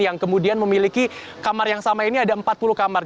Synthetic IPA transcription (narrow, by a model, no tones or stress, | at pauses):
jaŋkəmudianməmiliki | kamarjaŋsamainiadaəmpat̪̚puluhkamar